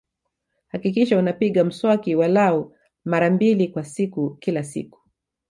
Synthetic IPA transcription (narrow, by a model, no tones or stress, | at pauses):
hakikiʃaunapiɠam̩swakiwalau | maɾambilikwasikukilasḭku̥